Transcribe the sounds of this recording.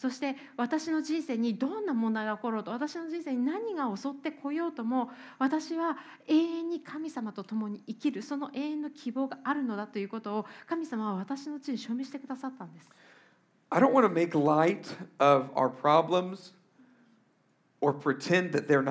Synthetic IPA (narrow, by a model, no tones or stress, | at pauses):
so̞ɕi̥t̪e̞ | βat̪aɕino̞d͡ʑĩɰ̃se̞ːɲ̟id̪õ̞nːamõ̞nd̪aiɡaoko̞ɾo̞ːt̪o̞βat̪aɕino̞ʑĩse̞ːɲ̟inaɲ̟iɡao̞so̞t̪ːe̞kʰo̞jo̞ːt̪o̞mo̞β̞at̪aɕiβa | e̞ːẽɲ̟ːikʰamʲisamat̪o̞t̪o̞mo̞ɲ̟iikʲiɾɯ̟so̞no̞ʔe̞ːẽ̞nːo̞kʲʰibo̞ːɡaaɾɯ̟no̞d̪at̪o̞jɯ̟ːkot̪o̞ːkamʲisamaβaβ̞at̪aɕino̞t͡ɕiɲ̟iɕo̞ːme̞ɕi̥t̪e̞kɯd̪asat̪ːãnd̪e̞sɨ̥ | aɪɾõʊ̃nʔwɑ̃nəmeɪklaɪɾʌva̰ʊə˞pʰɹ̥ɑblə̃mz̥ | ə˞pʰɹ̥itʰɛ̃nðɨt̪̚ðə˞n